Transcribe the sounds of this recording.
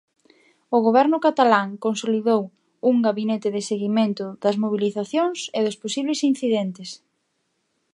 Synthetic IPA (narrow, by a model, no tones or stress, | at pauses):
ʊɣoβɛɾnʊkat̪alaŋkonsoliðow | uŋɡaβinet̪ɪðɪseɣiment̪ʊðɐzmoβ̞iliθaθjoŋseðʊsposiβlesinθiðɛnt̪ɪs